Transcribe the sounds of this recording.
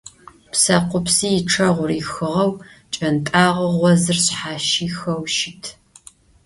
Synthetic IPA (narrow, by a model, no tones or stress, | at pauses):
psɐqʷʊpsiːjɪʈ͡ʂʰɐʁʷʊriːxɨʁɐwt͡ʃʼɐntʼaːʁɐʁʷɔzɨrɕħaːʃiːxɐwʃɪtʰ